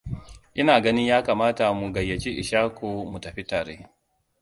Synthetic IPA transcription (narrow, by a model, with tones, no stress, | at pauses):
ʔɪ˦naː˨ɡɐ˦nɪ˦ɲjaː˦kaː˨maː˦ta˨mu˨ɡɐ˨jːɐ˨t͡ʃi˦ʔɪ̰˨ʃaː˦kʷoː˨mu˨tɐ˨ɸi˦taː˨ɾḛː˦